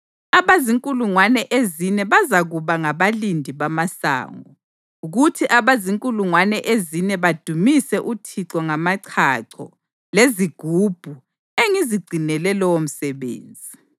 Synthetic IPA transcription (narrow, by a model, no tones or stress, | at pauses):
aβaziŋkʼuluŋwanɛʔezinɛβazaɣuβaŋaβalindʱiβamasa̰ːŋɔ | uɣutʰiʔaβaziŋkʼuluŋwanɛʔezinɛβad̥ʱumisɛʔutʰiǀɔŋamaǀʰaǀʰɔ̰ | leziɡ̥ʱub̥ʱu | eŋiziɡ͡ǀʱinɛlɛlɔwom̩sɛβḛːnd͡zʱi